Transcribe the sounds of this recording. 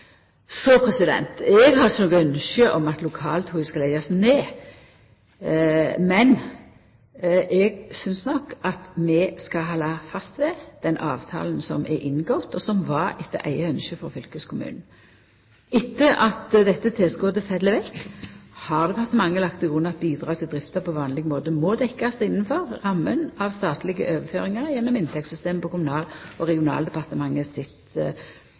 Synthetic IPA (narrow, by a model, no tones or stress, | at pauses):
sɔpʰɾɛsɪd̪ɛ̰nt̪ɛɡɦɑənɔɡəœnʃəʔɔmɑt̪lʊkʰɑːlt̪huɪskɑlæɪɑsneː | mɛn | ʔɛɡsʏnsnɔkɑt̪mɛskɑɦɑːlɑfɑst̪ʋɛd̪̥ɛnʔɑːʋt̪ʰɑ̰ːln̩sɔ̰mʔɛ̰ɾʔɪnɡɔt̪ɔsɔmʋɑɾɪt̪ːə̰ʔæ̰ɪəœnʃəfɔʁfʏlkəskʰʊmʉ̰ːnn̩ | ɪt̪ːəʔɑt̪d̪ɛt̪ːət̪ʰɪlsɡoːd̪əfæd̪ləʋɛt̪hɑʁd̪ɛpʰɑʁt̪əmɑŋːəlɑkt̪ɪɡʁʉnːɑt̪̚biːd̪ʁɑːɡ̚t̪ʰɪld̪ʁɪft̪əpʰɔʋɑːnlɪɡmoːd̪əmɔd̪ɛkːɑsɪnːn̩fɔʁʁɑmːənɑʋst̪ɑːt̪lɪɡə̰ʔøːʋəføːʁɪŋɑʁjɛnːɔmɪnt̪ʰɛk̚t̪sʏst̪eːmpʰɔkʊmʊnɑːlɔɾɛɡɪʊnɑ̰ːld̪ɛpɑʁt̪əmɑŋːəsɪt̪